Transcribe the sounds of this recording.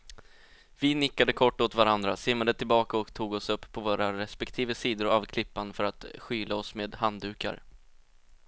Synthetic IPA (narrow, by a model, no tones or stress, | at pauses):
vɪnɪkːad̪əkʰɔʈːɔt̪vaɾand̪ɾasɪmːad̪ət̪ʰɪlbɑːkaɔkt̪ʰuːɡɔsɵpːpʰːɔvoːɾaɾɛspɛkt̪ʰiːvəsiːd̪ʊɾavkʰlɪpːanfœɾat̪ɧyːlaɔsmeːd̪hand̪ʉ̟ːka̰ɾ